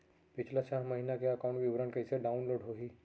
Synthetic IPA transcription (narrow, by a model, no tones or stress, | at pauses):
pɪt͡ʃʰlat͡ʃaɦməɦinakeɐkawɳʈʋɪʋɾəɳkɐɪseɖaʊnloːɽɦoɦiː